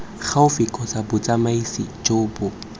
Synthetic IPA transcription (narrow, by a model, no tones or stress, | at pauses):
k͡xʰaʊfɪkʼɔt͡sabʊt͡sʼamaisḭd͡ʒobʊ